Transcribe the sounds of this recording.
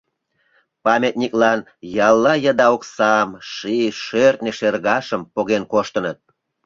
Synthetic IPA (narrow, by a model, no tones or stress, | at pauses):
pɑmʲet̪̚nʲiklɑn | jɑlːɑjəd̪ɑoksɑmʃiʃørt̪̚neʃerɣɑʃəmpoɣenkoʃt̪ənət̪̚